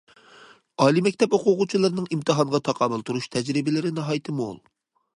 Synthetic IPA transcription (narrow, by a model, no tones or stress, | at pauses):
ɑːlˠimɛkʲt̪ʰɛpoqʰʊʁʊt͡ʃʰilˠɨɾnɨŋimt̪ʰɨɦɑɴʁɑt̪ʰɑqʰɑːmɨlˠt̪ʰuɾuʃt̪ʰɛd͡ʒɾɪbɪlɪɾɪnɑɦɑjt̪ʰɨmo̰lˠ